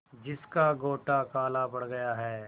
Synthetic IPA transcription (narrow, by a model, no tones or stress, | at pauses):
d͡ʒɪskaɡoːʈakaːlabɐɽɡɐjaɦɛː